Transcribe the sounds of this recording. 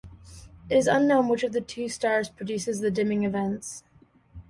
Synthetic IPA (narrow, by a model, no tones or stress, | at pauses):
ɨɾɨzʌ̃nːõʊ̃nwɨt͡ʃʌvðɨtʰʉstɑɹz̥pʰɹ̥ɨdʉsɨzðɨdɪ̃mɪ̃ŋɨvɛ̃nts